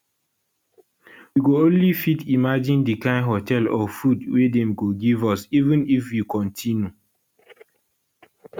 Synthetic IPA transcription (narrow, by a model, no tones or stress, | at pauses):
wiɡoõnlifitimad͡ʒĩndikãɪ̃ndɦɔtɛlɔfudwedɛ̃mɡoɡivɔsivə̃nifjikɔ̃ntʰĩnju